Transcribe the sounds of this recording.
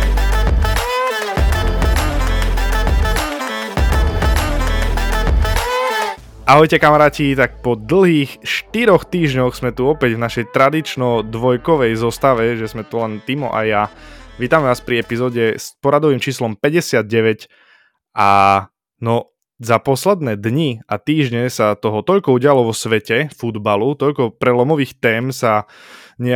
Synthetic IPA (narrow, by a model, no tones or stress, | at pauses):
ʔaɦɔjcɛkamaɾaːcit̪ak̚pɔd̪l̩ˠɦiːxʃt̪iɾɔxt̪iːʒɲɔxz̥mɛt̪uɔpɛɟvnaʃɛjt̪ɾad̪it͡ʃnɔd̪ʋɔjkɔʋɛjzɔst̪aʋɛʒɛzmɛt̪ulɛnt̪imɔ̰ʔa̰jjaʋiːt̪amɛʋaːspɾiɛpizɔːɟɛspɔɾad̪ɔʋiːmt͡ʃiːslɔmpɛɟɛsɪad̪̚ɟɛʋɛc | ʔa | nɔ | zapɔslɛd̪nɛːd̪ɲiat̪iːʒɲɛsat̪ɔɦɔt̪ɔʎkɔuɟɪalɔʋɔsʋɛcɛfud̪balut̪ɔʎkɔpɾɛlɔmɔʋiːxt̪ɛːmsa | ɲɛ